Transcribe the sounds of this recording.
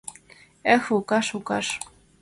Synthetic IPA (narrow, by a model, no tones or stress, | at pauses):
exukɑʃukɑʃ